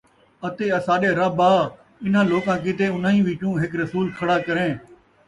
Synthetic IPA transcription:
ət̪eːəsaːɗeːɾaːbaː | ɪn̤ãːloːkãːkɪt̪̬eːʊnãːĩːʋɪːt͡ʃũːɦɪkɾəsuːlkʰəɽaːkəɾẽː

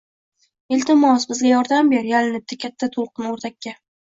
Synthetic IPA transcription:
ɪlʲt̪ɪmɒsbɪzɡʲajɒɾd̪ambeɾjalɪnɪp̚t̪akʲʰat̪ʰːat̪ʰolˠqʰɨnoɾt̪ʰakʲːa

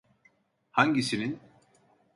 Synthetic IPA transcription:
haɲɟisinin

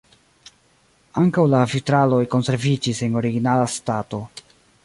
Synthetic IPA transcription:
aŋkawlafitɾalo̞jko̞nse̞ɾvid͡ʒise̞no̞ɾiɡinalastato̞

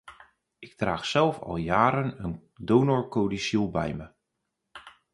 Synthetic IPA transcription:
ʔɪk̚traːxsɛlˠfɑ̰lˠjaːɾənən | downɔɹkowdisulˠbɛ̰jmə

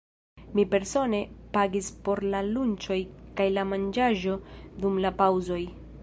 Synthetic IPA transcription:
mipe̞ɾso̞ne̞paɡispo̞ɾlalunt͡ʃo̞jkajlamand͡ʒaʒo̞dumlapawzo̞j

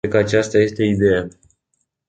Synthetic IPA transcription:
ekəat͡ʃast̪aje̞st̪eid̪e̞ja

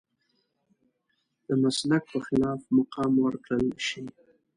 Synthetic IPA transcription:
d̪̥əmaslak̚pəxɪlɑfmaqɑmwəɾkɽəlʃi

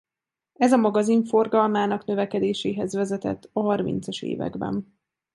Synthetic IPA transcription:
ɛzɒmɒɡɒziɱfo̞rɡɒlmaːnɒkn̪ø̞vɛkɛd̪eːʃeːɦɛzvɛzɛt̪ɛ̰t̪ːɒɦɒrmḭnt̪sɒʃḛːvɛ̰ɡbɛ̰n

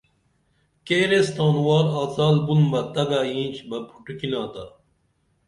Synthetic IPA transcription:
keːɾest̪aːnwɑːɾaːt͡saːlbunmɐt̪ɐɡaːjĩːnʲt͡ɕʰbɐbʰu̥ʈukilaːt̪a̰

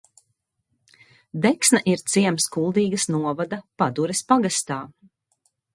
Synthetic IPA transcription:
d̪ɛksnɐʔiɾt̪siɛmskulˠd̪iːɡɐsnuɔvad̪ɐpad̪uɾespaɡast̪aː

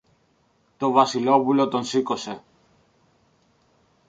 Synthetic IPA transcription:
t̪o̞vɐsilo̞pulo̞t̪o̞nsiko̞se̞

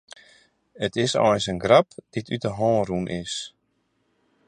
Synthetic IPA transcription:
ətɪsɔ̰jnsənɡrapd̥itytəɦɔːrunʔɪs

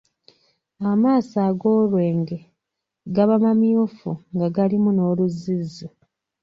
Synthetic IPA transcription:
amaːsaːɡo̞ːlwe̞ːŋɡe̞ | ɡaβamamjofuŋɡaɡalimuno̞ːluzːizːi

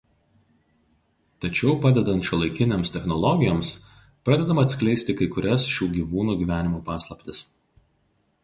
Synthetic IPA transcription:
t̪ɐt͡ʃʲɛʊpɑd̪ʲɛd̪ɐnt̪ʃʲʊlˠɐɪkʲɪnʲeːmst̪ʲɛxnɔlˠɔɡʲɪjoːms | pɾɑːd̪ʲɛd̪ɐmɐɐt̪ʲsʲklʲɛɪsʲt̪ʲɪkɐɪkʊɾʲɛsʃʲuːɡʲiːʋuːnuːɡʲiːʋʲæːnʲɪmoːpɑːslˠɐpʲt̪ʲɪs

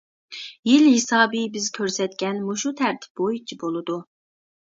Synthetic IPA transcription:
jilhɪsɑːbibɪzkʲʰøɾsɛt̪̚kʲɛnmuʃut̪ʰæɾt̪ʰɪ̥p̚bojut͡ʃʰibolˠɨd̪u

